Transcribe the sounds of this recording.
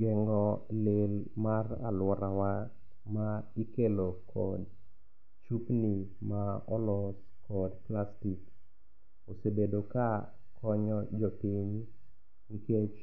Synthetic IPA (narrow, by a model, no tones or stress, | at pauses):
ɡɛŋɡɔlɪlmara̰lwɔɾawa | maikelokʰɔ̰d̚ | t͡ʃupnimaɔlɔs | kɔdplastik | osebedoka | kʰɔɲɔd͡ʒɔpiɲ | iket͡ʃ